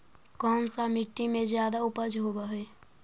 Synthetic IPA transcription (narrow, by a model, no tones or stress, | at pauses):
kɔːnsamɪʈːimẽzjaːd̪aʊpəd͡ʒɦoːbaɦeː